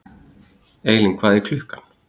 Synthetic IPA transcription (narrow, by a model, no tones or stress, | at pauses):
eːjlɪŋkʰvaːðikʰlʏhkan